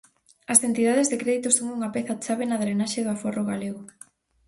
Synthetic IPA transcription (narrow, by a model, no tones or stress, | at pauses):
ɐsent̪iðaðezðekɾeðit̪oʊsoŋuŋɐpeθat͡ʃaβenɐðɾenaʃeðʊaforoɣaleɣʊ